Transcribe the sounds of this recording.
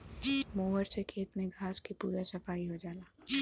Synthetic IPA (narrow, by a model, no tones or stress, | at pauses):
moːʋəɾsekʰeːt̪mẽɡʱaːskipuːɾasɐfaːiɦod͡ʒaːlaː